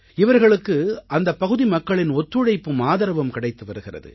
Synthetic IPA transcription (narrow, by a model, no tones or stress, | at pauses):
ɪʋɐɾɣɐɭɯkːɯɐnd̪ɐpːɐɣɯðimɐkːɐɭɪnɔt̪ːɯɽɐɪpːɯmaːðɐɾɐʋɐmkɪɽɐɪt̪ːɯʋɐɾɯɣɪrɐ̰ðɯ̰